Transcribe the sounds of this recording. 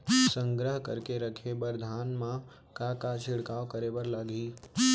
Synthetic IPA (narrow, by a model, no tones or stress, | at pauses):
sə̃ŋɡɾəɦkəɾkeɾəkʰebəɾd̪ʱaːnmã | kakat͡ʃʰɪɽkaːʋkəɾebəɾlaɡiː